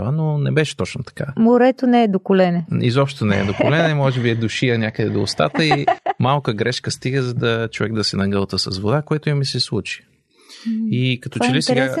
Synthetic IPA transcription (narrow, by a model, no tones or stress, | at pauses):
ənonɛbɛʃɛ̥t̪ɔt͡ʃnot̪ɐ̥kamoɾɛt̪onɛːɛd̪okʊlɛnɛḭzɔpʃt̪t̪onɛɛ̰d̪okolɛnɛmɔʒɛbiɛd̪ʊʃiɐnʲjakəd̪ɛd̪oːst̪a̰t̪əimalˠkəɡɾɛʃkəst̪iɡəzɐd̪ət͡ʃovɛɡ̚d̪ɐsɛnɐɡɤlˠt̪əsɐsvod̪akoɛt̪ʊimisɛslˠut͡ʃi̥ | ikɐt̪ɔt͡ʃɛlisɛɡa